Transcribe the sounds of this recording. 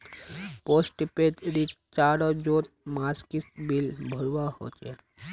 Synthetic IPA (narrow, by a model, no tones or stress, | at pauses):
posʈpet̪ɾit | t͡ʃaɾɔd͡ʒot̪̚maskisbilbʱəɾʋaho̰ːt͡ʃe